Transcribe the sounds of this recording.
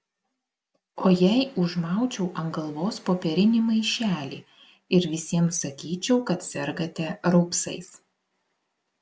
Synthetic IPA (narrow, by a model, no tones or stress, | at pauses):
oːjɛɪʊʒmɑˑʊt͡ʃʲɛʊʔɐŋɡɐlˠʋoːspoːpʲɛɾʲɪnʲɪˑmɐɪʃʲæːlʲḭː | ɪɾʋʲɪsʲiɛmsɐkʲiːt͡ʃʲɛʊkɐt̪sʲɛɾɡɐt̪ʲɛɾɐʊpsɐ̰ɪs